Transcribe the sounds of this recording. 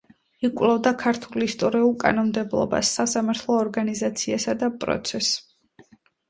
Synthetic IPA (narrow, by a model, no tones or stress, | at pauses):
ikʼvlˠɔvd̪akʰaɾt̪ʰulist̪ʼɔɾiulˠkʼa̰nɔmd̪ɛblˠɔ̰ba̰sːasamaɾt̪ʰlˠɔːɾɡanizat̪sʰiasad̪apʼɾɔ̰t̪sʰɛs